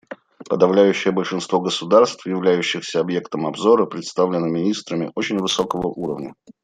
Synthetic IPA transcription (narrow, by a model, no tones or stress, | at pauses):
pəd̪ɐvlʲæjʉɕːɪjəbəlʲʂɨnst̪vo̞ɡəsʊd̪arst̪fjɪvlʲæjʉɕːɪxsʲəɐbje̞kt̪əmɐbzo̞ɾəpɾʲɪt̪st̪avlʲɪnːəmʲɪnʲist̪ɾəmʲɪ̰ʔot͡ɕɪnʲvɨso̞kəvəʔuɾəvnʲə̰